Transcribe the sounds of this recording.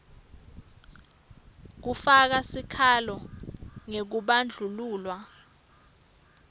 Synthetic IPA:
k̬ufak̬asikʰalɔŋek̬uɓand͡ɮʱuluːlwa

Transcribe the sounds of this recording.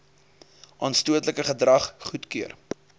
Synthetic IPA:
ʔɑːnstuətləkəχədrɐχχutkyər

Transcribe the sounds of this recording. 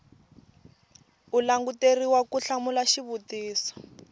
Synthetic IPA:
ulaŋɡuteriwakuɬamulaʃiβutiːsɔ̥

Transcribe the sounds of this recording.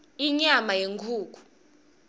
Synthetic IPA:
iɲamajeŋɡʰʱuːk̬ʼu̥

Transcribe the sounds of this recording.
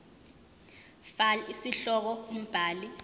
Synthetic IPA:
falisiɬɔk̬ɔum̩b̥ʱaːli

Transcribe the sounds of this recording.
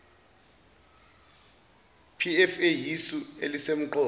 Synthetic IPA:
pʰiɛfejisuelisem̩ǃʰɔː

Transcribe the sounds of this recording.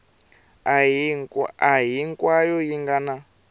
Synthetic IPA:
aɦiŋkwajɔjiŋɡana

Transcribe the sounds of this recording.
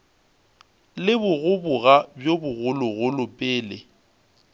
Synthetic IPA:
lɪbʊɣʊbʊɣabjobʊɣʊlʊɣʊlʊpʼeːlɪ

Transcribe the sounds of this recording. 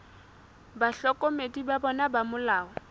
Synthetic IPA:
baɬɔkʼɔmedibabɔnabamʊlaːɔ

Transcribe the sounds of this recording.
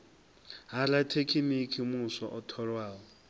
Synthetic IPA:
ɦalatʰekʰimikʰimʊsɔʔɔtʰɔɺwaːɔ

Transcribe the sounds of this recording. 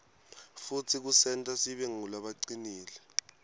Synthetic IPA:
futʰik̬usɛntʼasiɓɛŋulaɓaǀiniːlɛ

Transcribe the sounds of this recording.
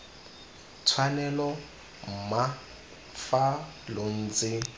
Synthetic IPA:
t͡sʰwanɛlɔ | m̩ma | falon̩ːt͡sʼɪ

